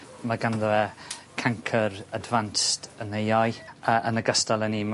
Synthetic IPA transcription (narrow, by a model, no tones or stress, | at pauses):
maɡanðəɛkʰaŋkʰəɾadvanstənejajəʔənəɡəstalˠəni